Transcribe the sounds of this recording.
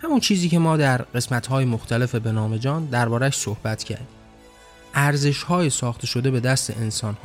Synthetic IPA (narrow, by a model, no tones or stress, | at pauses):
hæmunt͡ʃʰiːziːce̞mɒːd̪æɾɢe̞smæt̪ʰhɒːjemoxt̪ʰæle̞fe̞be̞nɒːme̞d͡ʒɒːnd̪æɾbɒːɾæʃsohbæt̪ʰcʰæ̰ɾd̪iː | ʔæɾze̞ʃhɒːjesɒːxt̪e̞ʃo̞d̪e̞be̞d̪æst̪e̞̰ʔensɒːnh